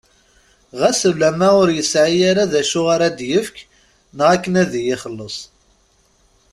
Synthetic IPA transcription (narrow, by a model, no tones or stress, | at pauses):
ʁæsəlːæmæʊɾjəsʕijaɾaðæʃʊʁaɾad̪jəfk | nəʁakːənæðijɪχəlːəsˤ